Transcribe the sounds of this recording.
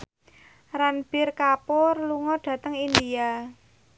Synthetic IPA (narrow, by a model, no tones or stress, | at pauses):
ranb̥ɪrkapɔrluŋɔɖ̥a̤t̪əŋind̪ia